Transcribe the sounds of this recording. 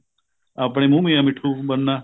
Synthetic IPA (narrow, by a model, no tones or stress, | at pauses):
apɳ̃eːmũːmijãːmɪʈʰuːɓənːaː